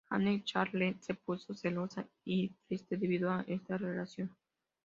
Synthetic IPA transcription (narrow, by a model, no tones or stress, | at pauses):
xa̰net͡ʃaɾlesepusoselosa | it̪ɾist̪ed̪eβiðoaʔest̪arelasjon